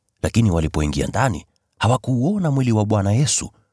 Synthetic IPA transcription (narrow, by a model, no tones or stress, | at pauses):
lakiniwalipɔiŋɡia̰ndanḭ | hawakuːɔnamwiliwaɓwanajɛsṵ